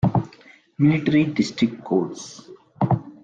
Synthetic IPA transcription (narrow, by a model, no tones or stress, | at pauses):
mɪlɪʈəɾiɖɪsʈɾɪkʈkoːɖs